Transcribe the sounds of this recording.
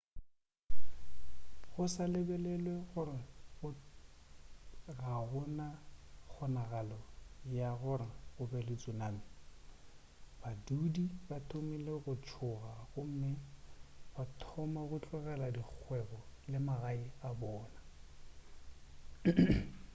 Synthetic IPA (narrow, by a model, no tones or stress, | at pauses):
ɣʊsalebɛlɛlweɣʊrɪɣʊ | ɣaɣʊnak͡xʰɔnaɣalɔjaɣʊrɪɣʊbɛlɪt͡sʼunaːmɪ | badudibatʰʼʊmileɣʊt͡ʃʰʊɣaɣʊm̩mɪ | batʰɔmaɣʊt͡ɬʼɛɣɛladik͡xʰwɛɣɔlɪmaɣaɪabɔːna